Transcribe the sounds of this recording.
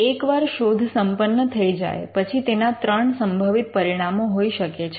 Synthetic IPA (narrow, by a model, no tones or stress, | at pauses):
ekʋaɾʃod̪ʱsəmpənːət̪ʰəid͡ʒa̰jpət͡ʃʰit̪enat̪ɾəɳsəmbʱəʋit̪̚pəɾiɽ̃amoɦoiʃəket͡ʃʰ